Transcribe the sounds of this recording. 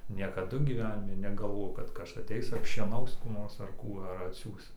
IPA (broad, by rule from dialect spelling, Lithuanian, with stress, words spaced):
nʲiɛkɐˈdʊ ɡʲiːˈʋʲæːnʲɪmʲɪ nʲɛɡɐlˠˈʋoːjɛʊ kɐt ˈkɐs ɐˈtʲɛɪs ɐpʲʃʲiɛˈnɐʊs kuː ˈnoːrs ɐr ˈkuː ɐr ɐtʲˈsʲuːs